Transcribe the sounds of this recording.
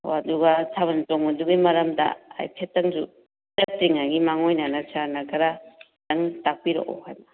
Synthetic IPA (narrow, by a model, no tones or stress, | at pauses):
aduɡatʰabɐntoŋɐduɡimɐɾɐmdɐ̰a̰jpʰetːɐŋzu | tɐtːiŋaɡimaŋojnanasaɾnɐkʰɐɾa | tɐŋtak̚piɾo̰ʔɔ̰hajnɐ